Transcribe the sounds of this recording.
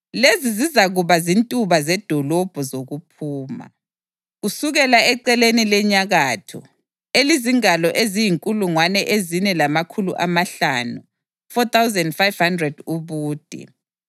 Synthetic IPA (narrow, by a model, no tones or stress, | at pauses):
lezizizaɣuβazintʼuβazɛd̥ʱɔlɔb̥ʱuzoɣupʰuːma̰ | ɣusuɣɛlaɛǀɛlenilɛɲaɣaːtʰɔ̰ | eliziŋalɔʔezijiŋkʼuluŋwanɛʔezinɛlamakʰulṵʔamaɬaːnu | fɔt̪ʰawzɛndfajv̥handrɛd̥uβuːd̥ʱḭ